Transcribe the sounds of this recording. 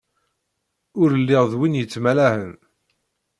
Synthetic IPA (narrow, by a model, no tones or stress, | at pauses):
ʊɾəlːɪʁðwinjət͡sːmælæhən